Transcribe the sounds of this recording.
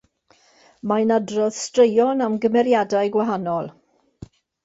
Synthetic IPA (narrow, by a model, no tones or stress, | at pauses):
majnadrɔð̥strejɔnamɡəmɛɾjadajɡwaɦanɔlˠ